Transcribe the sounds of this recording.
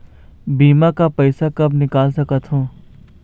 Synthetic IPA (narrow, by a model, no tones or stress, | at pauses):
biːmakapɐɪsakɐbnɪkaːlsɐkət̪ɦõː